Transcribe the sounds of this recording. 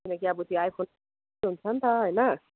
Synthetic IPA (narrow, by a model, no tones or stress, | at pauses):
kinʌkiabut̪iajpʰon | ɦunt͡sʰʌnt̪ʌɦʌjnʌ